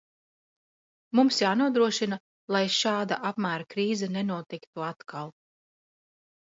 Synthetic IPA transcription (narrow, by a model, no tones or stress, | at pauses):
mumsjaːnuɔd̪ɾuɔʃina | lˠajʃaːd̪aʔapmæːɾakɾiːzɛnɛnuɔt̪ikt̪uat̪kalˠ